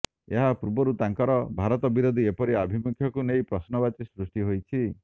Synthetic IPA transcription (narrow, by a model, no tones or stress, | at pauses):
eɦapuɾbɔɾut̪aŋkɔɾɔbʱaɾɔt̪ɔbiɾod̪ʱiepɔɾiabʱimukʰjɔkunejpɾɔsnɔbat͡ʃisɾusʈiɦojt͡ʃʰi